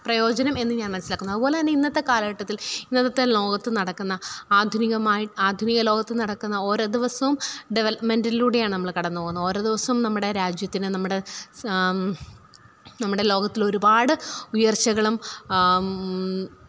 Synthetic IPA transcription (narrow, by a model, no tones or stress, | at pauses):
prɐjo̞ːd͡ʑɐnɐme̞nːɨɲaːnmɐnsilaːkːunːuɐðɨpo̞ːleɐnːeinːɐt̪ːe̞kaːlɐɣɐʈːɐt̪ːilinːɐt̪ːɐt̪ːelo̞ːɡɐt̪ːɨnɐɽɐkːunːɐaːd̪ʱuniɣɐmaːjiʈaːd̪ʱuniɣɐlo̞ːɡɐt̪ːɨnɐɽɐkːunːɐo̞ːɾo̞ːd̪iʋɐsɐʋumɖiʋelɐpmendiluːɽe̞jaːɳɨnɐmːɐɭkɐɽɐnːɨpoːunːuo̞ːɾo̞ːd̪iʋɐsɐʋumnɐmːuɽe̞ɾaːd͡ʑjɐt̪ːinɨnɐmːuɽe̞ | nɐmːuɽe̞lo̞ːɡɐt̪ːilo̞ɾubaːɽɨujɐrt͡ɕːɐɣɐɭum